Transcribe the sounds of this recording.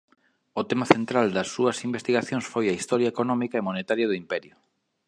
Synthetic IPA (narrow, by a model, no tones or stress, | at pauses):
ʊt̪emaθent̪ɾald̪ɐsːuɐsimbest̪iɣaθjõŋsfojɐist̪ɔɾjaekonɔmikɐemonet̪aɾjɐðʊimpɛɾjʊ